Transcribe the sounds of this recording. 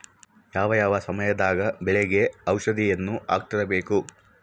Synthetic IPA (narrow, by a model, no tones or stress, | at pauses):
jaːʋɐjaːʋɐsɐmɐjɐd̪aːɡɐbɛɭeɡeɐwʂɐd̪ʱijenːuʔa̰ːk̚ʈ̪ɐɾɐbe̞ːku